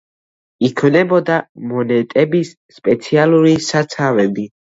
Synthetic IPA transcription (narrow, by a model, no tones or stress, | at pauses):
ikʰvnɛbɔd̪amɔnɛt̪ʼɛbisːpʼɛt̪sʰialˠuɾisat̪sʰavɛbi